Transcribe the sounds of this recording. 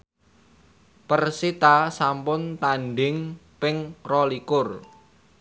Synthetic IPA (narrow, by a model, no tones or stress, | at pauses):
pərsit̪asampʊnt̪anɖɪŋpɪŋrɔlikʊr